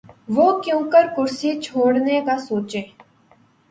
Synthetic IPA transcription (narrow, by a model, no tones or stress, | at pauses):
ʋokjõːkəɾkʊɾsit͡ʃʰoːɽnekasoːt͡ʃeː